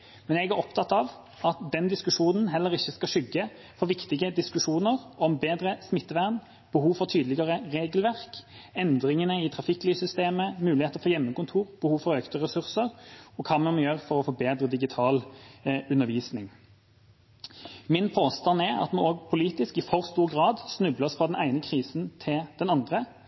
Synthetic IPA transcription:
mɛnɛɡæɾɔpt̪ʰɑt̪ːɑʋ | ɑt̪d̪ɛnd̪ɪskʉʂuːnənɦɛlːəʁɪçːəskɑʂʏɡːə | fɔɾʋɪkt̪ɪɡəd̪ɪskʉʂuːnəʁɔmbeːd̪ɾəsmɪt̪ːəʋæn | b̥əhuːʋfɔʁt̪ʰyːd̪əlɪɡəʁəʁeːɡlʋæʁk | ɛnd̪ɾɪŋənəɪt̪ʰɾɑfɪklyːsʏst̪eːməmʉːlɪeːt̪əɾfɔjɛmːəkʊnt̪ʰuːʁb̥əhuːʋfɔɾøːkt̪əʁɛsʉʁsəʁɔkʰɑːmɛnmɛjøːʁfɔʁɔfoːbeːd̪ɾʁəd̪ɪɡɪt̪ʰɑːl | ʉnːəʁʋiːsnɪŋ | mɪnpʰoːst̪ɑnɛɑ̰t̪mɛoːɡ̚pʰʊliːt̪ɪskɪfɔɾst̪uːʁɡʁɑːd̪snʉbləsfʁɑːd̪ɛnæɪnəkʰʁiːsnt̪ʰɪld̪̥ɛnɑnd̪ʁə

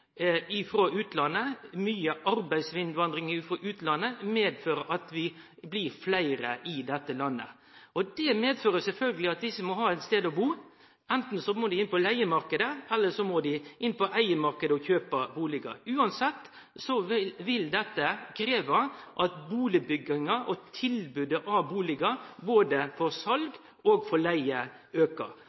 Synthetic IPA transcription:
ɪfɾoʉːt̪lɑnːəmyːəʔɑɾbæɪsʋɪnd̪ʋɑnd̪ɾɪŋːfɾoʔʉːt̪lɑnːəmeːd̪føːɾəʔɑt̪ʋɪ | blɪɾflæɪɾəʔɪd̪ɛt̪ːəlɑnːə̰ | ɔd̪ɛmeːd̪føːɾəsɛlfœlɡəlɪɑt̪̚d̪ɪsːəmɔɦɑːɛɪt̪st̪eːd̪ɔbuː | ɛnt̪n̩sɔmod̪ɪɪnpɔlæɪəmɑɾkəd̪əɛlːəʂɔmod̪ɪɪnːpɔʔæɪəmɑɾkəd̪əɔçøːpəbuːlɪɡɑ̰ʉːɑnsɛt̪ː | sɔʋɪld̪ɛt̪ːəkʰɾeːʋɑʔɑt̪buːlɪbʏɡɪŋɑʔɔt̪ʰɪlbʉd̪əʔɑʋbuːlɪɡɑboːd̪əfɔɾsɑlɡ | ɔɡfɔɭæɪə | øːkə̰

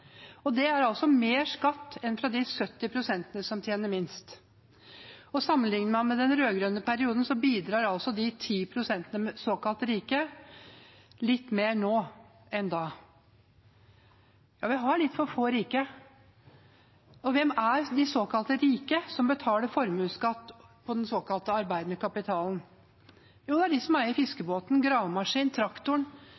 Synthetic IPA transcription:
ɔd̪ɛæɾɑlsɔmeːʂkɑt̪ːɛnfɾɑd̪ɪsœt̪ːɪpʰɾʊsɛnt̪ənəsɔmt̪ʰjeːnəɾmɪnst̪ | ɔsɑmːənlɪŋnəɾmɑnmɛd̪ɛnɾøːɡɾœnəpʰæɾɪuːd̪n̩sɔbiːd̪ɾɑːɾɑlsɔd̪ɪt̪ʰiːpʰɾʊsɛnt̪ənəsoːkɑlt̪ɾiːkə | lɪt̪ːmeːɾnoː | ɛnd̪ɑ | jɑ̰ːʋɪɦɑɭɪt̪ːfɔɾfoːɾiːkə | ɔʋɛmæɾd̪ɪsoːkɑlt̪əɾiːkəsɔmbət̪ʰɑːləɾfɔɾmʉːskɑt̪ːpʰɔd̪ɛnsoːkɑlt̪əɑɾbæɪd̪nəkʰɑpɪt̪ʰɑːln̩ | juːd̪ɛæɖɪsɔmæɾɪfɪskəboːt̪nɡɾɑːʋmɑʂiːnt̪ʰɾɑkt̪ʊɳ

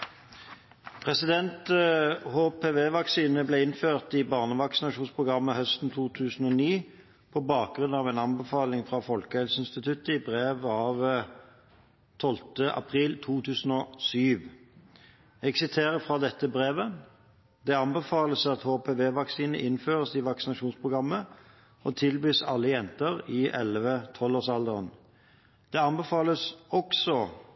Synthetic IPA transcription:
pʰʁɛsɪd̪ɛnt̪hoːpʰeːʋeːʋɑksiːnəbleːɪnføːʁt̪ɪbɑːʁnəʋɑksɪnɑʃuːnspʰʁʊɡʁɑmːəhœst̪n̩t̪ʰuːt̪ʰʉːsn̩ɔniː | pʰɔbɑːk̚ɡʁʉnːɑːʋɛnɑnbəfɑːlɪŋfʁɑfɔlkəhɛlsəɪnst̪ɪt̪ʰʉt̪əɪbʁeːʋɑʋ | t̪ʰɔlt̪əʔɑ̰pʰʁiːlt̪ʰuːt̪ʰʉːsn̩ɔsyːʋ | ɛɡsɪt̪ʰeːʁəfʁɑd̪ɛt̪ːəbʁeːʋə | d̪ɛɑnbɛfɑːləsɑt̪hoːpʰeːʋeːʋɑksiːnəʔɪnføːʁəsɪʋɑksɪnɑʃuːnspʰʁʊɡʁɑmːə | ɔt̪ʰɪlbyːsɑlːəjɛnt̪əʁiʔɛlʋət̪ʰɔloːsɑld̪əʁən | d̪̥ɛɑnbɛfɑːləsɔksɔ

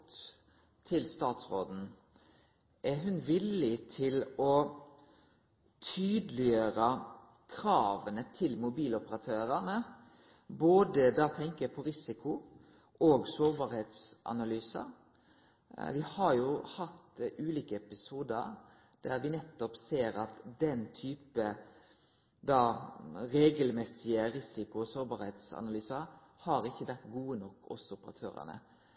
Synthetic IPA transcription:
t̪ | t̪ʰɪlst̪ɑːt̪sʁoːd̪n̩ | ʔɛɦʉnʋɪlːɪt̪ʰɪlɔ | t̪ʰyːd̪lɪjøːɾə | kʰɾɑːʋənət̪ʰɪlmʊbiːlɔpəɾɑt̪ʰøːɾænə | boːd̪əd̪ɑt̪ʰɛŋkəpʰɔɾɪsɪkʊ | ʔoːɡsoːɾbɑːɾheːt̪sʔɑ̰nɑlyːsə̰ɾ | ʋɪhɑɾjʊhɑt̪ʉːliːkəɛpɪsuːd̪ə̰ɾ | d̪̥æʁʋɪnɛt̪ːɔpseːɾɑt̪d̪ɛnt̪ʰyːpə | d̪ɑɾeːɡəlmɛsɪəɾɪsɪkʊɔsoːɾbɑɾheːt̪sɑ̰nɑlyːsəɾ | hɑɾɪçːəʋæʁt̪ɡuːənɔkːɔ̰sʊpəʁɑ̰t̪ʰø̰ːɾə̰nə̰

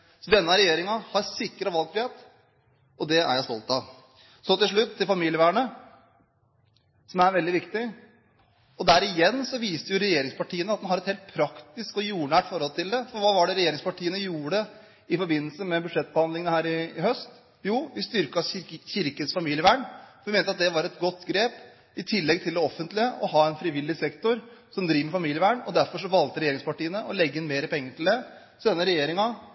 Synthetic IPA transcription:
sɔd̪ɛnːəɾɛjeːɾɪŋɑhɑɾsɪkːəɾɑʋɑlk̚fɾɪeːt̪ | ɔd̪ɛæ̰ɾjæɪst̪ɔlt̪ɑʋ | sɔnt̪ɪlʂɭʉt̪ʰːɪlfɑmiːlɪjəʋæːɳə | sɔmæɾʋɛld̪ɪʋɪkt̪ɪ | ɔd̪æɾɪjɛnːsɔʋiːst̪əɾjʊɾɛjeːɾɪŋspʰɑʈʰiːənəɑt̪d̪ɛnɦɑɾɛt̪heːlt̪̚pʰɾɑkt̪ɪskɔjuːɳæːʈfɔɾhɔlt̪ʰɪld̪ɛfɔɾʋɑːʋɑɖɛɾɛjeːɾɪŋspɑʈiːənəjuːəɖɛ | ɪfɔɾbɪnːlsəmɛbʉd̪ʂɛt̪̚ːbəhɑnd̪lɪŋənəhæːɾɪhœst̪ | juːʋɪst̪ʏɾkɑçɪɾkənsfɑmiːljəʋæːɳfɔʋɪmeːnəɑt̪̚d̪ɛʋɑɾɛt̪ɡɔt̪ːɡɾeːp | ɪt̪ʰɪlːɛɡt̪ʰɪld̪ɛɔfːənt̪lɪəʔɔhɑːɛnfɾɪʋɪlːɪsɛkt̪ʊɾsɔmd̪ɾiːʋmɛfɑmiːljəʋæːɳɔd̪æɾfɔʂɔʋɑlt̪əɾɛjeːɾɪŋspɑʈiːənəʔɔlɛɡːəɪnmeːɾəpʰɛŋːəʈɪld̪ɛ | sɔd̪ɛnːəɾɛjeːɾɪŋɑ

